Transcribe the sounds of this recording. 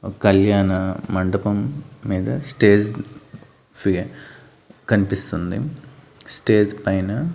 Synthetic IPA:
kɐljaːnɐmɐɳɖɐpɐmːiːd̪ɐsʈe̞ːd͡ʒ | pi | kɐnipist̪und̪ḭ | sʈe̞ːd͡ʒpɐjnɐ

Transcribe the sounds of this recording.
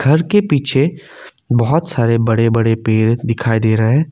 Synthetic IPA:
ɡʱɐɾkepiːt͡ʃʰe | bɔɦʊt̪saːɾebɐɽebɐɽepeːɾd̪ɪkʰaːid̪eːɾɐɦɦɛ̃ː

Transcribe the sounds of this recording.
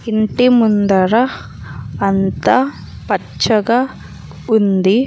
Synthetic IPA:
iɳʈimund̪ɐɾɐː | nt̪ɐ | pɐt͡ʃːɐɡɐ | und̪i

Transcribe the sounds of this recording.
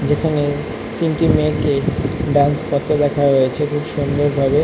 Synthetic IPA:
d͡ʑekʰane | t̪inʈimekeɖanspɔɾt̪ːed̪ɛkʰaɦoet͡ɕʰekʰubʃond̪oɾbʱabe

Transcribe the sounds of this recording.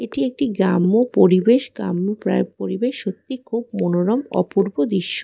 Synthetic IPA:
eʈiek̚ʈiɡɾamːopoɾibeʃɡɾa̰mːopɾa̰poɾibeʃːot̪ːikʰub̚monoɾɔmɔ̰puɾbod̪iʃːo

